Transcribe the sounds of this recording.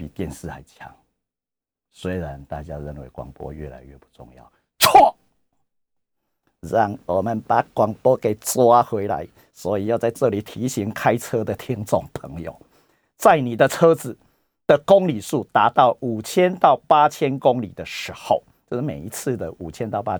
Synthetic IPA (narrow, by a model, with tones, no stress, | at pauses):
pḭ˨˩t̪jɛ˥˨nsɹ̩˥˩xa˧˩ɪt͡ɕʰja̰˦ŋ | swe˥ɪɻa˨˦nt̪a̰˥˩t͡ɕja˦ɻə˥˩nwḛ˨˦ɪkwa̰˨˩ŋpwɔ̰˦ɥɛ̰˥˩la̰˧˦ɪɥɛ˥˧pu̥˥˩t͡sʊ̰˥˧ŋjɑ̰˥˩ʊ | t͡sʰwɔ˥˩ | ɻɑ˥˩ŋwɔ˨˩mə˨npa˨˩kwɑ˨˩ŋpwɔ˦˥ke˨˩ɪt͡swa˦xwe˧˥ɪla̰˨˦ɪ | swɔ˨˦i˨jɑ˥˧ʊt͡sa˥˧ɪʈ͡ʂɤ˥˨li˨˩t̪ʰi˨˦ɕi˨˥ŋkʰa˦ɪt͡sʰɤ˦d̪ə˨t̪ʰjɛ˦nt͡sɔ˥˨˩ŋpʰə˧˦ŋjo̰˨ʊ | t͡sa˥˩ɪni˨˩d̪ə˨t͡sʰɤ˦d͡zɹ̩˨˩ | d̪̥ə˨kʊ˦ŋli˨˩ʂu˥˨t̪a˧˥t̪ɑ˥˩ʊu˨˩t͡ɕʰjɛ˦nt̪ɑ˥˨ʊpa˥t͡ɕʰjɛ˦nkʊ˦ŋlḭ˨˩d̪ə˨ʂɻ̩˧˥˦xo˨ʊt͡ɕjo˥˧˩ʂme˨˩i˧˦t͡s̩ʰ˥˩d̪ə˩ʔu˨˩t͡ɕʰjɛ˥˦nt̪ɑ˥˨ʊpa˦